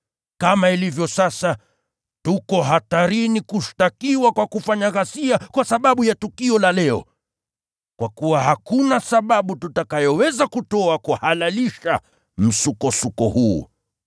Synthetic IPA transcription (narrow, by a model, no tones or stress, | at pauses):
kamailivjɔsasa | tukɔɦataɾinikuʃtakiwakwakufaɲaɣasiakwasaɓaɓujatukiɔlalɛɔ̰ | kwakuwahakunasaɓaɓututakajɔwɛzakutɔakuhalaliʃa | m̩sukɔsukɔhṵː